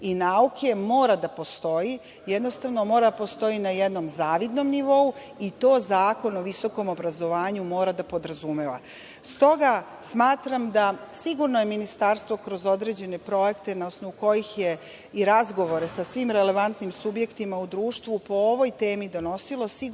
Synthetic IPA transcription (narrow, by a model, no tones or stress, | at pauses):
inaukʰe̞mo̞ːɾad̪apo̞st̪o̞i | jed̪no̞st̪aʋno̞mo̞ːɾad̪apo̞st̪o̞inajed̪no̞mzaːʋid̪no̞mniʋo̞u | it̪o̞ːzaːko̞no̞ʋiso̞ko̞mo̞bɾazo̞ʋaːɲumo̞ːɾad̪apo̞d̪ɾazumeʋa̰ | st̪o̞ɡa | smaːt̪ɾamd̪asiɡuɾnojeminist̪aːɾst̪ʋo̞kɾo̞zo̞d̪ɾe̞d͡ʑe̞ne̞pɾo̞je̞kt̪e̞nao̞sno̞ʋuko̞jixje | iɾazɡo̞ʋo̞ɾesasʋimɾe̞le̞ʋant̪nimsubje̞kt̪imaud̪ɾuːʃt̪ʋupo̞oʋo̞jt̪e̞ːmid̪o̞no̞silo̞si